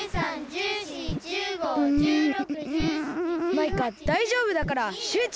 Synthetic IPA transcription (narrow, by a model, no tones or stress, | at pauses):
ɯ̃ | maikad̪̥aiʑo̞ːbɯ̟d̪akaɾaɕɯːt͡ɕ